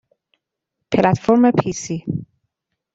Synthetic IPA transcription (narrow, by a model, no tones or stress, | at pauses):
pʰelæt̪foɾmepʰisi